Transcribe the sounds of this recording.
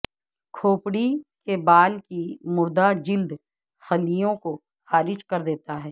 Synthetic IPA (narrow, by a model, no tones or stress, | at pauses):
kʰoːpɽikebaːlkimʊɾd̪ad͡ʒɪld̪ | xɐlijõko | xaːɾɪd͡ʒkɐɾd̪eːt̪aɦɛː